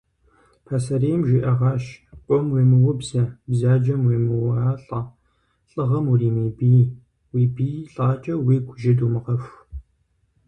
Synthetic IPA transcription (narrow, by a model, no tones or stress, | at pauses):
pʰɐsɐɾeːmʒʷiʔɐʁɑːʃʔʷʼɔmweːmɨwʊbzɐbzaːd͡ʒɐmweːmɨwɐaːɬʼɐ | ɬʼɨʁɐmuriːmeːbiː | wiːbiːɬʼaːt͡ʃʼɐwiːɡʷʰʼʊʒɪduːmɨqɐfʷ